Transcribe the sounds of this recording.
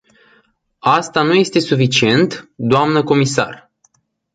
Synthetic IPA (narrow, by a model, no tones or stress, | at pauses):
ast̪anuje̞st̪e̞sufit͡ʃie̞nt̪d̪oamnəko̞misa̰r